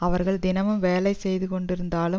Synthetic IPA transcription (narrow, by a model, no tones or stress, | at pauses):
ɐʋɐɾɣɐɭd̪ɪnɐʋɯmʋeːlɐɪsɛjðɯkɔɳɖɪɾɯnd̪aːlɯ